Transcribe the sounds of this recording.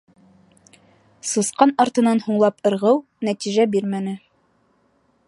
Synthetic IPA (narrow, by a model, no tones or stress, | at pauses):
susqɑnɑɾt̪ɤ̆nɑnhuɴlˠɑpɤ̆ɾʁɤw | næt̪iʒæbiɾmænɘ